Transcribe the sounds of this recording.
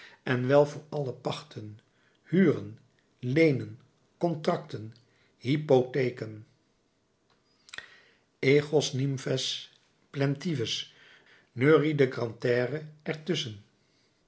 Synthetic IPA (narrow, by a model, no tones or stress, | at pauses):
ɛnʋɛlˠvʊːɹɑləpɑχtʰən | hyːrən | lejnən | kɔntrɑktən | ɦipotejkən | eχosnimfɛs | plɛntivəs | nøːridəɡrɑntɛːrəʔɛɹtʏsən